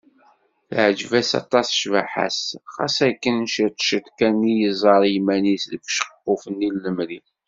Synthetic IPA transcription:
θʕəd͡ʒvæsɑ̰t̪ˤːɑsˤʃvaħa̰sχɑ̰sækːənʃət̪ʃət̪kænːijəzˤɑɾˤimænisðəfʃə̥qːofənːilːəmɾi

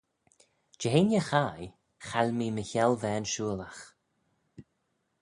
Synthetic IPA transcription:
d͡ʒɛɦenʲjəxaj | xalʲmiːməçɛlvɛːnʃuːəlax

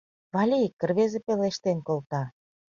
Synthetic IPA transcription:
βɑlʲikːə̆rβezĕpeleʃt̪enkolt̪ɑ

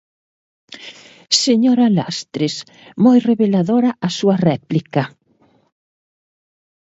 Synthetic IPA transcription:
seɲoɾalast̪ɾes | mojreβelaðoɾɐʔasuɐrɛplikɐ

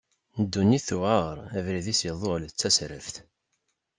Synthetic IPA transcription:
nəd̪ːunːiθuʁaʁɾˤævɾiðisjəðˤolt͡sːæsɾə̰fθ

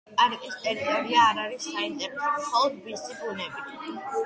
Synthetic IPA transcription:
aɾiʔʼɛst̪ʼɛɾit̪ʼɔɾiaːɾaɾisːait̪ʼɛp̪ɔlˠd̪bisibunɛbi

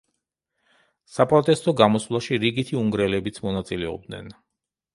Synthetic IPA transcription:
sapʼɾɔt̪ʼɛst̪ʼɔɡamɔslˠaʃiɾiɡit̪ʰiuŋɡɾɛlɛbit̪sʰmɔnat̪sʼilɛɔ̰b̚d̪nɛ̰n

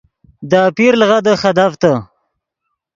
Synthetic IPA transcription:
d̪apiɾlɣad̪əxad̪aft̪ə

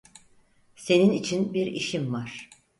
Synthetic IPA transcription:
se̞ninit͡ʃʰinbiɾḭʃimvaɾ̥

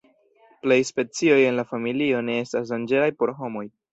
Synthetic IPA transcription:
ple̞jspe̞t͡sio̞je̞nlafamilio̞ne̞e̞stasdand͡ʒe̞ɾajpo̞ɾɦo̞mo̞j

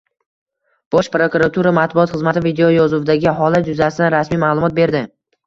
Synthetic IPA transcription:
b̥ɒʃpɾokuɾat̪ʰuɾamat̪̚bʊɒt̪χɨzmat̪ʰɪvid̪eojɒzʊvɪd̪aɡʲɪɦɒlat̪d͡ʒʊzasɪd̪anɾasmijmaːlˠʊmɒt̪̚be̞ɾd̪ɪ

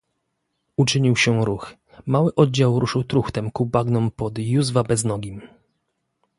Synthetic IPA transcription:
ut͡ʂɘɲiwɕɛɾux | mawɘʔɔd̪̚d͡ʑawɾuʂɘwt̪ɾuxt̪ɛmkubaɡnɔmpɔd̪juzvabɛznɔɡʲim

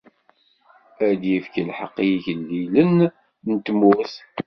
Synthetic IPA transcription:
æd̪jəfkəlħəqːiʝəlːilən | nt̪mʊθ

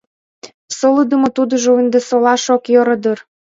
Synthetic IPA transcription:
soləd̪ə̆mot̪ud̪ə̆ʒouənd̪esolɑʃokjoɾɤ̆d̪ər

